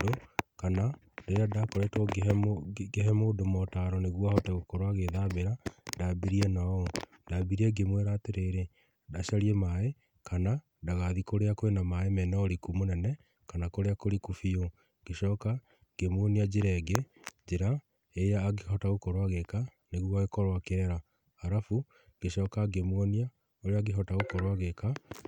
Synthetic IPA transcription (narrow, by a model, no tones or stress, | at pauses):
okana | ndojadakoɾetɡ | ɡeɦɛmodomɔtaɾɔneɣwahɔtɛɣokoɾoaɣeðaβeɾadabiɾiɛnaɔndabiɾiɛɡemweɾateɾeɾe | daʃaɾiɛmae | kana | daɣaðikoɾeakoenamaemɛnɛɔɾikumonɛnɛ | kanakoɾeakoɾikufio | ɡeʃɔːka | ɡ̥emwɔniad͡ʑeɾɛɡed͡ʒeɾa | ejaːɡeɦɔtaɣokɔɾowaɣeka | neɣuaɣekɔɾwakeɾɛɾa | aɾafu | ɡ̥eʃɔːkaɡemwɔnia | oɾeaɡeɦɔtaɣokɔɾwaɣeka